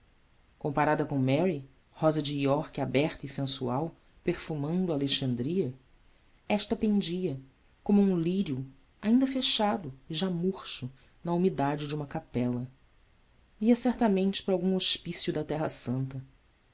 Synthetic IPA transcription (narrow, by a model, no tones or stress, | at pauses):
kõmpaɾad̪ɐkõmɛɾi | hɔzɐd͡ʒiiɔɾkabɛɾt̪ɐisẽsuaw | peɾfumɐ̃nd̪ʊaːleʃɐ̃nd̪ɾiɐ | ɛʃt̪ɐpẽnd͡ʒiɐ | kõmʊũliɾjʊ | aĩnd̪ɐfeʃad̪ʊɪʒamuɾʃʊ | nɐumid̪ad͡ʒɪd͡ʒɪũmɐkapɛlɐ | iɐsɛɾt̪ɐmẽnt͡ʃɪ̥pɾɐawɡũŋoʃpisjud̪ɐt̪ɛɦɐsɐ̃nt̪ɐ